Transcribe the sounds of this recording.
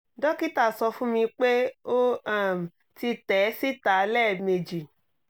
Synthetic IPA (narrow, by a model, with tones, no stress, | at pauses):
dɔ˦ki˦ta˦˨sɔ˧fũ˦mĩ˧k͡pe˦o˦a˦˨m̩˨ | ti˧tɛ˨˦si˦ta˨˦lɛ˦˨me˨d͡ʒi˨